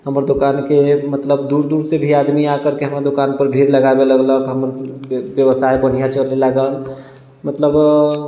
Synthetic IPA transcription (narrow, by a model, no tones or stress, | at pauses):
ɦəməɾd̪okankemət̪ləbd̪uɾd̪uɾsebʱiad̪miakəɾkeɦəmɾad̪okanpəɾbʱiɾləɡabeləɡləkɦəməɾbjəʋəsajbən̤ijat͡ʃəlelaɡəl | mət̪ləb